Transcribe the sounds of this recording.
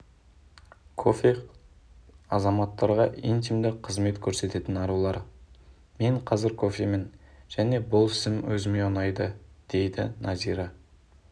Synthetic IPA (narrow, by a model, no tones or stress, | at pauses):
kʰo̞fʲe | ɑzɑmɑt̪ːɑɾʁɑʔijnt̪ijmd̪ɪqʰəzme̞t̪kʲʰɵɾse̞t̪e̞t̪ɪnɑɾulˠɑɾ | me̞ɴqʰɑzɪɾkʰo̞fʲemenʒ̥æne̞bʊlˠɪ̥sɪmwɵzɪme̞onɑjd̪əd̪̥e̞jd̪ɪnʔɑziɾɑ